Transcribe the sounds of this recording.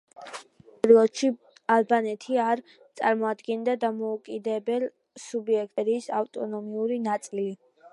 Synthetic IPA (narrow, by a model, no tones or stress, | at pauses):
pʼɛɾlˠɔt̪ʃi | alˠbanɛt̪ʰiaɾ | t̪sʼaɾmɔad̪ɡɛnd̪ad̪amɔukʼid̪ɛbɛlˠ | subiɛk̚ʰʼt̪ʼɾisavt̪ʼɔ̰nɔmiuɾinat̪sʼili